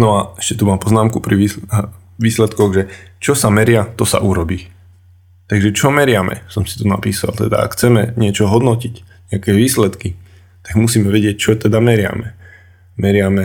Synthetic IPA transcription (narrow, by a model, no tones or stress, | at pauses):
nɔaɛ̥ʃcɛ̥t̪umaːmpɔznaːmkupɾii | ʋiːslɛt̪kɔɣʒɛt͡ʃɔsamɛɾɪat̪ɔsa̰ʔuɾɔbiː | t̪aɡʒɛt͡ʃɔmɛɾɪamɛ̰sɔmsi̥t̪una̰piːsa̰lt̪ɛd̪a̰a̰kxt͡sɛmɛɲɪɛt͡ʃɔɦɔd̪nɔcic | ɲɛakɛːʋiːslɛt̪ki | t̪aɡmusiːmɛʋɛɟɪɛc̚t͡ʃɔt̪ɛd̪amɛɾɪa̰mɛ | mɛɾɪamɛ